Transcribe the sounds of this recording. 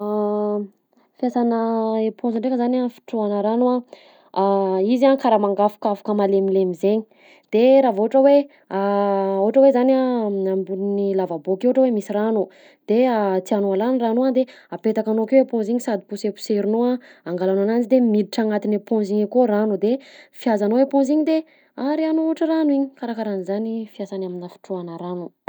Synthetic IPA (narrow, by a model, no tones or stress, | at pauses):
a | fiasanəepõnzaɳɖ͡ʐekəzanafi̥ʈ͡ʂuanəɾanua | izakaɾamaŋɡafḁkafḁkəmalemilemizeɲi̥ | d̪̥eɾavoʈ͡ʂəwe | aoɦʈ͡ʂəwezanaambunnilavabokewɦʈ͡ʂəwemisiranu | d̪̥eat̪ianualaniranuad̪e | apet̪akanokewepõnziɲisad̪ipusepu̥seɾinoaaŋɡalanananzid̪emid̪iʈ͡ʂaŋat̪inepõziɲekoɾanud̪efiazanoepõnziɲid̪e | aɾianouʈ͡ʂəranuiɲi̥kaɾakaɾanuzanifiasanaminafi̥ʈ͡ʂuanəɾanu